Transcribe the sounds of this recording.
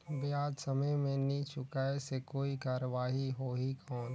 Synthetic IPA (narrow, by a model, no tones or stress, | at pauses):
bɪjaːd͡ʒsəməjmẽnit͡ʃʰʊkaːesekoːikaːɾəʋaːɦiɦoːɦikʰɔːn